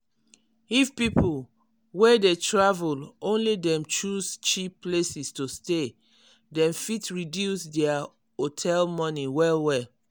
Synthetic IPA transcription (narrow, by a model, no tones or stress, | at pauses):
ifpipʰul | wɛdetɹavulõnlidɛ̃mt͡ʃust͡ʃipplesistoste | dɛ̃mfitɹidjusdɛa | otʰɛlmɔniwɛlwɛ